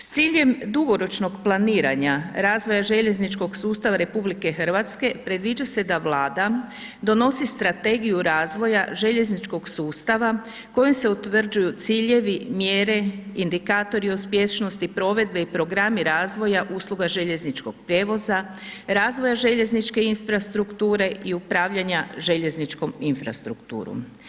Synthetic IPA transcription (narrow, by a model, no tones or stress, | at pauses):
st̪siːʎe̞md̪uɡo̞ɾo̞t͡ʃno̞ɡplˠaniːɾa̰ɲaɾaːzʋo̞jaʒe̞ʎe̞znit͡ʃko̞ɡsuːst̪aʋaɾe̞publike̞xr̩ʋat̪ske̞pɾe̞d̪ʋid͡ʒase̞d̪aʋlaːd̪a | d̪o̞no̞sist̪ɾat̪e̞ɡijuɾaːzʋo̞jaʒe̞ʎe̞znit͡ʃko̞ɡsuːst̪aʋa | ko̞jomse̞ut̪ʋr̩d͡ʒujut̪siːʎe̞ʋimjeːɾe̞ind̪ikaːt̪o̞ɾiospje̞st͡ʃno̞st̪ipɾo̞ʋe̞d̪̚be̞ipɾo̞ɡɾamiɾaːzʋo̞jaʔuːslˠuɡaʒe̞ʎe̞znit͡ʃko̞ɡ̥̚pɾje̞ːʋo̞za | ɾaːzʋo̞jaʒe̞ʎe̞znit͡ʃke̞infɾast̪ɾukt̪uːɾe̞ʔiupɾaːʋʎaɲaʒe̞ʎe̞znit͡ʃko̞minfɾa̰st̪ɾukt̪ṵːɾṵm